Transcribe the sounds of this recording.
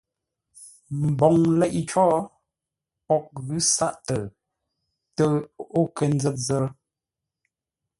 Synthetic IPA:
m̩˨bɔ˨ŋlɛ˦ʔi˦t͡ʃɔː˦ | pɔ˦k̚ɣʉ˦sa˦ʔtə˨ | tə˦o˦kə˨n˦d͡zə˦t̚zə˦

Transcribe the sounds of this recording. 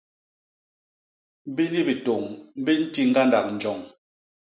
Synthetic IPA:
m˦bi˦ni˦bi˨to˨ŋm̩˦bi˦n̩˦ti˦ŋ̩˦ɡa˦nda˨k̚n̩˨d͡ʒɔ˨ŋ

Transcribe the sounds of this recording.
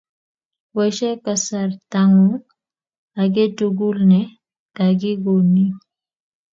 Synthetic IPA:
wɛ˨ʃɛ˦ka˨sa˨ɾta˨ŋu˦ŋ | a˨ɡe˦tu˨ɡu˦lnɛ˨˦ | ɡa˨ɡi˦ɡo˨ni˦

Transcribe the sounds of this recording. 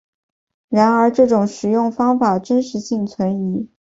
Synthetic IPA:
ɻa˧˥nə˞˧˥ʈ͡ʂɤ˥˩ʈ͡ʂʊ˨˩ŋʂɻ̩˨˩jʊ˥˩ŋfɑ˥ŋfa˨˩ʈ͡ʂə˥nʂɻ̩˧˥ɕi˥˩ŋt͡sʰwə˧˥ni˧˥

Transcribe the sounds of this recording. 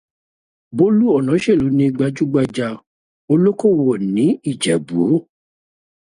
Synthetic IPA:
bo˦lu˦ɔ˦˨nã˨˦ʃe˦˨lo˨˦nĩ˧ɡ͡ba˧d͡ʒu˦ɡ͡ba˧d͡ʒa˧ | o˧lo˦ko˦˨wɔ˨nĩ˨˦i˦˨d͡ʒɛ˨bu˨˦o˦˨

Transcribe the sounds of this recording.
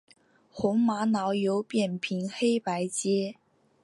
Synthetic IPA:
xʊ˧˥ŋma˧˥nɑ˧˥ʊjo˧˥ʊpjɛ˨˩npʰi˧˥nxe˥ɪpa˧˥ɪt͡ɕjɛ˥

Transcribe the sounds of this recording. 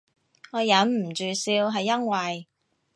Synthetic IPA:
ŋɔː˨˧jɐ˨˥nm̩˨˩t͡ʃyː˨siː˧wɦɐ˨jːɐ˥ŋwɐ˨j

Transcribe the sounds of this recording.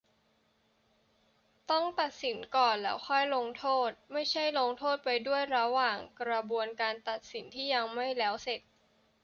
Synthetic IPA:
t̪ɔ˥˩ŋt̪a˨˩t̪̚si˩˦nkɔː˨˩nlɛː˦˥wxʰɔ˥˩jlo˧ŋt̪ʰoː˥˩t̪̚ma˥˩jt͡ɕʰa˥˩jlo˧ŋt̪ʰoː˥˩t̪̚pa˧jdu˥˩əjɾa˧waː˨˩ŋkɾa˧bu˧ənkaː˧nt̪a˨˩t̪̚si˩˦nt̪ʰiː˥˩ja˧ŋma˥˩jlɛː˦˥wse˨˩t̪̚

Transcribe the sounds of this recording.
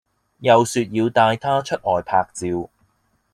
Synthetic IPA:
jɐ˨wsyː˨t̚jiː˨˧wt̪aː˧jt̪ʰaː˥t͡ʃʰɵ˥t̚ʔɔː˨jpʰaː˧k̚t͡siː˧w

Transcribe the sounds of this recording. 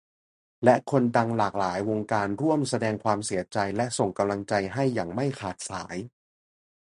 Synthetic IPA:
lɛ˦˥ʔkʰo˧nda˧ŋlaː˨˩k̚laː˩˦jwo˧ŋkaː˧nɾu˥˩əmsa˧dɛː˧ŋkʰwaː˧msi˨˩˦ɐt͡ɕa˧jlɛ˦˥ʔso˨˩ŋka˧mla˧ŋt͡ɕa˧jɦa˥˩jːaː˨˩ŋma˥˩jkʰaː˨˩t̪̚saː˩˦j

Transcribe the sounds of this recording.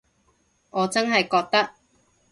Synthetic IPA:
ŋɔː˨˧t͡sɐ˥nɦɐ˨jkɔː˧k̚t̪ɐ˥k̚

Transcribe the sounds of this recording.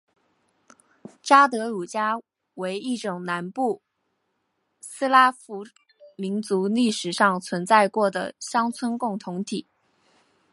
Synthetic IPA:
ʈ͡ʂa˥t̪̬ɤ˧˥u˨˩t͡ɕja˥ | we˧˥ɪi˥˩ʈ͡ʂʊ˨˩ŋna˧˥npu˥˩ | sɹ̩˥la˥fu˧˥ | mi˧˥nt͡su˧˥li˥˩ʂɻ̩˨˩ʂɑ˥˩ŋt͡sʰwə˧˥nt͡sa˥˧ɪkwɔ˥˩d̪ə̰˩ɕjɑ˥ŋt͡sʰwə˥nkʊ˥˩ŋt̪ʰʊ˧˥ŋt̪ʰi˨˩˦

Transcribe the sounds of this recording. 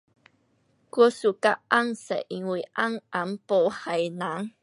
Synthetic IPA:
ku˥˧su˨ka˦ʔa˦ŋsɛ̰˨ʔi˨ŋwi˨ʔa˦ŋʔa˨mpo˨wha˨jna˨˦ŋ

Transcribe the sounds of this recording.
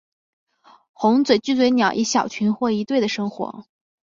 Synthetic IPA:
xʊ˧˥ŋt͡swe˨˩ɪt͡ɕy˥˧t͡s̬we˧˥ɪnjɑ˨˩ʊʔi˧˥ɕjɑ˨˩ʊt͡ɕʰy˧˥nxwɔ˥˩i˧˥t̪we˥˩ɪd̪ə˩ʂɤ˥ŋxwɔ̰˧˥

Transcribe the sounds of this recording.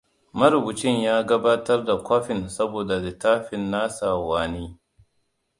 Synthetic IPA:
mɐ˦ɾʊ˨bʊ˨t͡ʃɪ˦ɲjaː˦ɡɐ˦baː˦tɐ˦rda˨kʷɔ˦ɸɪ˨nsɐ˦boː˨da˨zɪ˨taː˦ɸɪ˨nːaː˦saː˨waː˨niː˦

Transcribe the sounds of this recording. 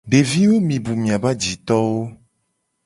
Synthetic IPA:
ɖe˨vi˦wo˦mĩ˨bu˨mĩ˨a˨ba˦d͡ʒi˨t̪ɔ˦wo˦

